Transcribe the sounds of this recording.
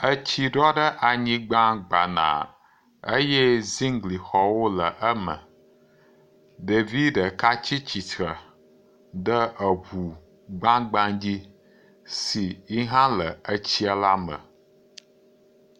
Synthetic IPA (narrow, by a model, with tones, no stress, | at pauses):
ə˦t͡ɕi˦ɖɔ˦ɖə˦ʔa˨ɲĩ˦ɡ͡bã˦ɡ͡ba˨nã̰˨ | ə˦je˦zi˦ŋɡli˨xɔ˨wo˦lə˨ʔə˦mə̰˨ | ɖe˨vi˦ɖə˨ka˦t͡ɕi˦t͡ɕi˨t̪ɾə˨ | ɖə˦ʔə˨ɦu˨ | ɡ͡bã˦ɡ͡bã˦d͡ʑi˦ | si˨i˦ɦã˦lə˨ə˦t͡ɕi˦ə˦la˦mə̰˨